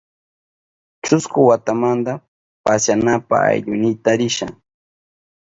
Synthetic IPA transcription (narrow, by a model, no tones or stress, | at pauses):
t͡ʃʊskʊwat̪amand̪a | pasjanapa̰a̰jʎʊnɪt̪aɾɪʃa̰